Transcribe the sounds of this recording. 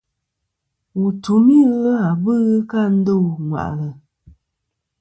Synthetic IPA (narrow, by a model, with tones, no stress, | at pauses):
wu˨tu˨mi˦ɣə˦a˨bɨ˦ɣɨ˦ka˦˨n̩˦do˦˨ŋwa̰˨ʔlə˨